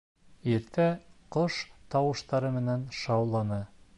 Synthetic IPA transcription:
iɾt̪æqoʃt̪ɑwɤ̆ʃt̪ɑɾɤmɘ̆nænʃɑwlˠɑnɤ

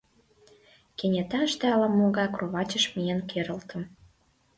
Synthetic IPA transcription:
kenʲet̪ɑʃt̪ĕɑlɑmoɣɑkroβɑt͡ɕə̆ʃmijenkeɾə̆lt̪ə̆m

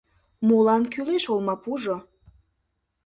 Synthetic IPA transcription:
mulɑnkyleʃolmɑpuʒo

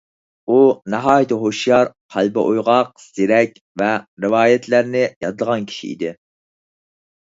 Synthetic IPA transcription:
unɛɦɑːjit̪ʰɨɦoʃjɑɾqʰælbɨʔojʁɑq̚sɪɾɛkʲ | vɛɾɨwɑːjɛt̪ʰlæɾnɪjɑd̪əlˠəʁɑnkʲʰi̥ʃḭḭd̪ɪ

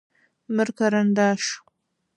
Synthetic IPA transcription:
mɨɾkaɾand̪aːʂ

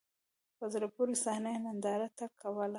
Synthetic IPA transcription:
pazɾapuɾisahnajmand̪ɑɾat̪akʰawəl

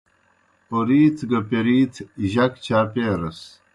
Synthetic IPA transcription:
oɾiːt̪ʰɡɐpeɾiːt͡s̪ʰʑɐkt͡ɕʰaːpeːɾɐs

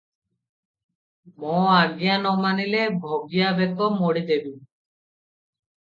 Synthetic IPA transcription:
mɔaɡjanɔmanilebʱoɡijabɛt̪ɔmoɽid̪ebim

